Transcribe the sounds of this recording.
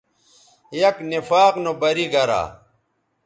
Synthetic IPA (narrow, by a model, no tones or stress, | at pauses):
jɐknifaːqnobɐɾiɡɐɾa̰ː